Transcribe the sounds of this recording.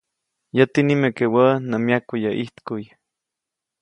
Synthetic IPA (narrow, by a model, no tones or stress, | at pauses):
jət̪inimekewəʔnəmjakujəʔiht̪kuj